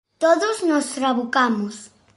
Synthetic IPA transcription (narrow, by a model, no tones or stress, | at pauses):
t̪oðʊznost̪ɾaβukamʊs